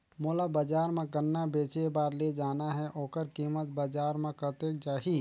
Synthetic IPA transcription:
moːlabəd͡ʒaːɾmẽɡənːabeːt͡ʃebaːɾled͡ʒaːnaɦɛʔoːkəɾkiːmət̪̚bəd͡ʒaːɾmẽkət̪eːk̚d͡ʒaːɦiː

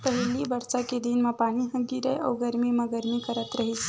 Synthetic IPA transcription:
pəɦlibəɾsaked̪inmãpaɽ̃iɦə̃ɡiɾəja̰wɡəɾmimaɡəɾmikəɾət̪ɾəɦit͡ʃʰ

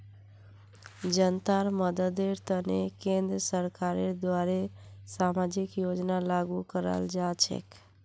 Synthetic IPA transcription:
d͡ʒənt̪aɾməd̪əd̪eɾt̪ənekẽnd̪ɾəsəɾkaɾeɾd̪waɾesamad͡ʒikjod͡ʒnalaɡukəɾə̰ld͡ʒat͡ʃʰɛ̰k

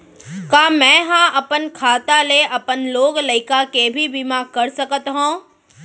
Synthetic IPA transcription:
kaːmɛ̃ːɦãʔɐpənkʰaːt̪aleʔɐpənloːɡlɐɪkakebʱibimaːkɐɾsɐkət̪ɦõː

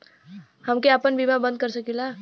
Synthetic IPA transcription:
həmkeapənbimabə̃nd̪̚kəɾsəkila

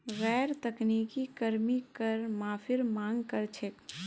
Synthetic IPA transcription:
ɣɛːɾt̪ɐkniːkikɐɾmikəɾmaːfʰɪɾmãːŋɡkəɾt͡ʃʰek

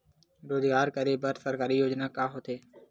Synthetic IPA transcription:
ɾoːzɡaːɾkəɾeːbəɾsəɾkaːɾiːjoːd͡ʒnaːkaːɦoːt̪ʰeː

